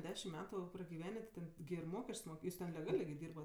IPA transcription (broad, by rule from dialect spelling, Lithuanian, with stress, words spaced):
ˈdʲæːʃʲɪm ˈmʲæːtʊ prɐɡʲɪˈʋʲæːnʲeː tʲɪ ˈtʲɛn ɡʲɪ ɪr ˈmoːkʲɛsʲt͡ʃʲsʲ ˈmoːk ˈjuːs tʲɛn lʲɛˈɡɑːlʲeː ɡʲɪ ˈdʲiːrbɐt